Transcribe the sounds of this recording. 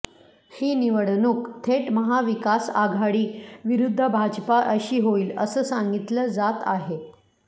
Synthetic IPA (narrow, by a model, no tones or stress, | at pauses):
hiːniʋəɽnuːkt̪ʰeʈməɦaʋikasaɡʱaɽiːʋiɾud̪ʱːəbʱad͡ʑpaʔəɕiːɦoiːləsəːsãŋɡit̪ləd͡zat̪aɦe